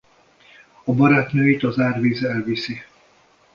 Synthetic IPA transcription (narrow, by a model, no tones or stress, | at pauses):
ɒbɒɾaːt̪nøːit̪ɒzaːrviːzɛlvisi